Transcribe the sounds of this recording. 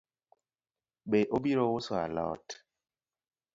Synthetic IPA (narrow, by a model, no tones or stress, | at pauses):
ɓeʔoɓiɾowosoa̰lɔ̰t